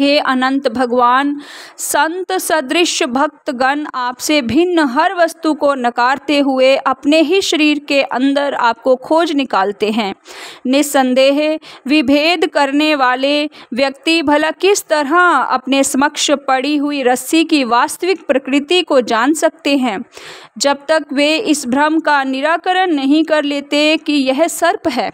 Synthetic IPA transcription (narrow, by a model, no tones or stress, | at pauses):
ɦeːʔɐnə̃nt̪bʱɐɡʋaːnsɐ̃nt̪səd̪ɾɪʃjəbʱɐk̚t̪ɡɐnaːpsebʱɪnːəɦɐɾʋɐst̪ukonɐkaːɾt̪eɦʊeʔɐpneɦiʃɐɾiːɾkeʔɐ̃nd̪əɾa̰ːp̚kokʰoːd͡ʒnɪkaːlt̪eɦɛ̃ːnɪsə̃nd̪eːɦʋɪbʱeːd̪ʱkɐɾneʋaːleʋjɐkt̪ibʱɐlakɪst̪ɐɾɦãɐ̰pnesɐməkʃpɐɽiɦʊiɾɐsikiʋaːst̪əʋɪkpɾɐkɾɪt̪ikod͡ʒaːnsɐk̚t̪eɦɛ̃ːd͡ʒɐb̚t̪ɐkʋeɪsbʱɾɐmkanɪɾaːkəɾənːɐɦĩkɐɾleːt̪ekijɛɦsɐɾpɦɛː